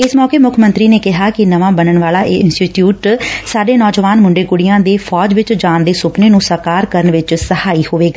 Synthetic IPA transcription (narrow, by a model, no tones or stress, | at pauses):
ɪsmɔːkeːmʊkʰmə̃nt̪ɾiːneːkɪɦaːkɪnəʋãːbənəɳʋaːlaːʔeːɪnsʈiːʈjuːʈsaːɖeːnɔːd͡ʒʋaːnmʊɳɖeːkʊɽɪjãːd̪eːpʰɔːd͡ʒʋɪt͡ʃd͡ʒaːnd̪eːsʊpneːnũːsəɾkaːɾkəɾəɳʋɪt͡ʃsəhaːiːhoːʋeːɡaː